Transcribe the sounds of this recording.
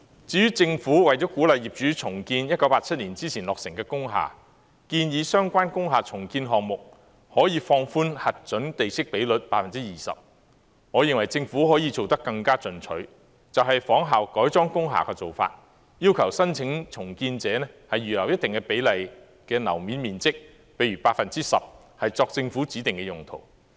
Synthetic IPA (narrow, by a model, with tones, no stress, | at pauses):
t͡siː˨˧jyː˥t͡sɪ˧ŋfuː˨˥wɐ˨˩jt͡ʃɔː˨˥kuː˨˥lɐ˨jiː˨˩p̚t͡ʃyː˨˥t͡sʰʊ˨˩ŋkiː˧njɐ˥t̚kɐ˨˥wpaː˧˥t̚t͡sʰɐ˥t̚liː˨˩nt͡siː˥t͡sʰiː˨˩nlɔː˨k̚sɪ˨˩ŋkɛː˧kʊ˥ŋɦa̰ː˨˩ | kiː˧njiː˨˧sœː˥ŋkʷwaː˥nkʊ˥ŋɦaː˨t͡sʰʊ˨˩ŋkiː˧nɦɔː˨ŋ̚mʊ˨k̚ | hɔː˨˥jiː˨˧fɔː˧ŋfuː˥nhɐ˨t̚t͡ʃɵ˨˥nt̪e˨jsɪ˥k̚pe˨˥jlɵ˨t̚paː˥t̚fɐ˨nt͡siː˥jiː˨sɐ̰˨p̚ | ŋɔː˨˧jɪ˨ŋwɐ˨˩jt͡sɪ˧ŋfu˨˥ɦɔː˨˥jiː˧t͡so˨wt̪ɐ˥kːɐ˧ŋkaː˥t͡sɵ˨˩nt͡ʃʰɵ˨˥ɥ | t͡sɐ˨wɦɐ˨jfɔː˨˥ŋɦaː˨wkɔː˨˥jt͡sɔː˥ŋkʊ˥ŋɦa̰ː˨˩kɛː˧t͡so˨wfa̰ː˧t̚ | jiː˥wkʰɐ˨˩wsɐ˥nt͡sʰɪ˨˥ŋt͡sʰʊ˨˩ŋkiː˧nt͡sɛː˨˥nɛ˥hɐ˨jːyː˨˩lɐ˨˩wjɐ˥t̚t̪ɪ˨ŋkɛ˧pe˨˥jlɐ˨j | kɛː˧nɐ̰˨˩wmiː˨˥nmiː˨nt͡sɪ˥k̚ | pe˨˥jɥyː˨˩paː˧tfɐ˨nt͡siː˥sɐ̰˨p̚hɐ˨jt͡sɔː˧k̚t͡sɪ˧ŋfuː˨˥t͡siː˨˥t̪ɪ˨ŋkɛ˧jʊ˨ŋt̪ʰo̰˨˩w